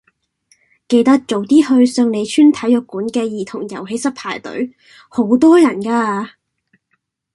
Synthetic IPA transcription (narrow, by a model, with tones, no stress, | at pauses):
ke˧jt̪ɐ˥k̚t͡ʃo˨wt̪iː˥hɵ˧ɥsœː˧ŋne˨˧jt͡ʃʰyː˥nt̪ʰɐ˨˥jœː˨˧kːuː˨˥nkɛː˧jiː˨t̪ʰʊ˨˩ŋjɐ˨˩wɦe˨˥jsɐ˥k̚pʰaː˨˩jt̪ɵ̰˨˥ɥ | ho˨˥wt̪ɔː˥jɐ˨˩nkaː˧